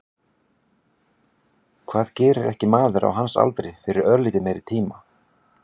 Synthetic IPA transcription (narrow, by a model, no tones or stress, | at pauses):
kʰv̥aːðcɛːɾʏɾɛhcɪmaːðʏɾa̰wɦansa̰lt̪ɾɪfɪɾɪɾœɾliːt̪ɪmejɾɪt̪ʰiːma